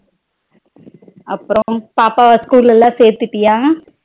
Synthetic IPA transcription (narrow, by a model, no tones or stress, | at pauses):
ɐpːɯɾõpaːpaːskuːlɛlːãːseːɾt̪ːɪʈːɪjãː